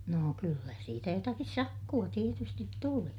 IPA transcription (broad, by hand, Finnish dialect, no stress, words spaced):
noː kylːæ siːtæ jotɑkis sɑkːuɑ tietystit tuli